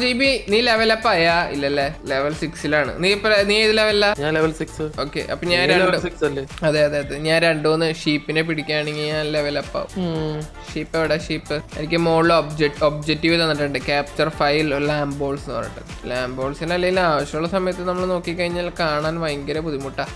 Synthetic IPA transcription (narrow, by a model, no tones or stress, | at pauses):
d͡ʑibiniːle̞ʋɐlɐpːaːjaḭlːɐlːeleʋɐlsiksilaːɳɨ̰nipːɐnijiðileʋɐlːɐɲaːnleʋɐlsiksɨo̞ːkːḛʔɐ̰pːoɲaːnɾeɳɖɨsiksɐlːeːɐðeːɐðeːɐðeðɨɲaːnɾeɳɖɨonːɨʂiːpːinepiɽikʲːaːɳeŋɡilɲaːnle̞ʋɐlɐpːa̰ːʋṵm | ʂiːpːɐʋiɽeʂiːpːɨenik̬ʲːɨmoːɭːobd͡ʑekʈob̚d͡ʑek̚ʈːiʋilɐnːɨʈːuɳɖɨkʲaːp̚t͡ɕɐrfɐjllaːmbo̞ːlsnɨʋɐ̰rḭʈːɨ̰ɨlaːmbo̞ːlsinɐlːɐɡilaːʋɐɕjɐuɭːɐsɐmɐjɐt̪ːɨnɐmːɐɭno̞ːkːikʲːɐɻiɲːaːlkaːɳaːnʋɐjɐŋɡɐɾɐpuðimuʈːaː